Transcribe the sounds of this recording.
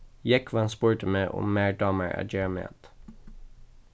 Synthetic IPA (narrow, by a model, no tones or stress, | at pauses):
jɛkʰʋɑːɑnspʊɹʈəmeːʔʊ̰ːmeːɖɑːməɹʔæ̰ːd͡ʒɛmḛːt̪